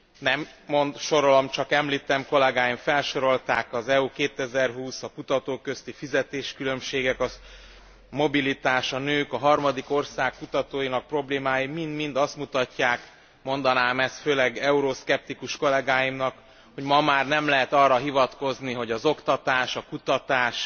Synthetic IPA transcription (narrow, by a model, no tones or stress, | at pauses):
nɛmːo̞nd̪ʃo̞ɾolomt͡ʃɒkɛmliːt̪ɛmko̞lɛɡaːjiɱfɛlʃo̞ɾo̞lt̪aːkɒzɛukeːt̪ɛzɛrɦuːsɒkut̪ɒt̪oːkø̞st̪ifizɛt̪eːʃkylø̞mʃeːɡɛkɒ | mo̞bilit̪aːʃɒnøːkɒɦɒrmɒd̪iko̞rsaːkːut̪ɒt̪oːjinɒk̚pro̞bleːmaːjimind̪mind̪ɒst̪mut̪ɒcːaːk | mo̞nd̪ɒnaːmɛst̪føːlɛɡɛuɾoskɛp̚t̪ikuʃko̞lɛɡaːjimnɒk | ho̞ɟmɒmaːrnɛmlɛɦɛt̪ɒrːɒɦivɒt̪ko̞zniɦo̞ɟɒzo̞kt̪ɒt̪aːʃɒkut̪ɒt̪aːʃ